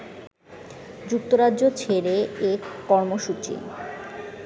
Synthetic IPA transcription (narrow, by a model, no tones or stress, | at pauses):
d͡ʑuk̚t̪oɾaʑot͡ɕʰeɾeekːɔɾmoʃut͡ɕḭ